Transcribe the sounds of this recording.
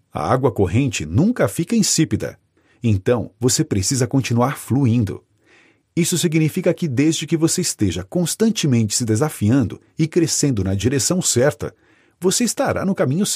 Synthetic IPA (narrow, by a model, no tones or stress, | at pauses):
ɐ̰a̰ɡwɐkoɦẽnt͡ʃɪnũŋkɐfikɐĩsipid̪ɐ̰ | ẽnt̪ɐ̃w̃vosepɾesizɐkõnt͡ʃinuaɾfluĩnd̪ʊ̰ | isʊsiɡnifikɐkɪd̪ezd͡ʒɪkɪvoseɪst̪eʒɐkõst̪ɐ̃nt͡ʃɪmẽnt͡ʃɪ̥sɪd̪ezafiɐ̃nd̪ʊ | ɪkɾesẽnd̪ʊnɐd͡ʒiɾesɐ̃w̃sɛɾt̪ɐ̰ | voseist̪aɾʔa̰nʊkamĩɲʊs